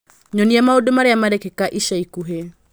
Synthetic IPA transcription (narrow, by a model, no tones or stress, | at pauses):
ɲɔniamaudumaɾejamaɾɛkɛkaʔiʃaikuɦe